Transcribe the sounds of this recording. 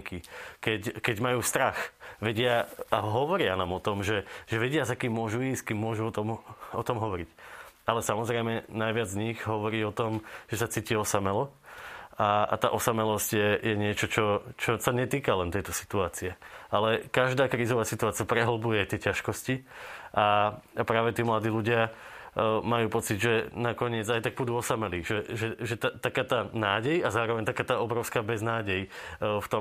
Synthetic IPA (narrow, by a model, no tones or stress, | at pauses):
kikɛckɛɟmajuːst̪ɾaxʋɛɟɪaaɦɔʋɔɾɪanaːmɔt̪ɔmʒɛʒ̥ɛʋɛɟɪazakiːmːʊɔʒuiskiːmːʊɔʒuɔt̪ɔmɔt̪ɔmɦɔʋɔɾicalɛsamɔzɾɛɪmɛnajʋɪad͡zɲiɣɦɔʋɔɾiːɔt̪ɔmʒ̥ɛsat͡siːciɔsamɛlɔ | aa̰t̪a̰ːʔɔsamɛlɔscjɛjɛɲɪɛt͡ʃɔt͡ʃɔt͡ʃɔsaɲɛt̪iːkalɛnt̪ɛjt̪ɔsi̥t̪uaːt͡siɛalɛkaʒd̪aːkɾiːzɔʋaːsit̪uaːt͡siapɾɛɦɔlbujɛt̪ɪɛcaʃkɔsciʔaapɾaːʋɛt̪iːmlad̪iːluɟɪa | majuːpɔt͡sid̪ʒɛnakɔɲɪɛd͡zajt̪aɡ̚pud̪uːɔsamɛliʒɛʒɛʒɛt̪at̪akaːt̪aːnaːɟɛjazaːɾɔʋɛɲt̪akaːt̪aːɔbɾɔʊskaːbɛznaːɟɛjft̪ɔ